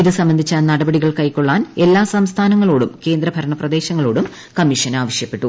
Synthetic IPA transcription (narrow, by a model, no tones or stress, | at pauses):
iðɨsɐmbɐnd̪ʱit͡ɕːaːnnɐɽɐbɐɽiɣɐɭkɐjkːoɭːaːne̞lːaːsɐmst̪ʰaːnɐŋːɐɭoːɽumke̞ːnd̪ɾɐbʱɐɾɐɳɐprɐd̪e̞ːɕɐŋːɐɭo̞ːɽum | kɐmːiʂɐnaːʋɐʂjɐpːe̞ʈːu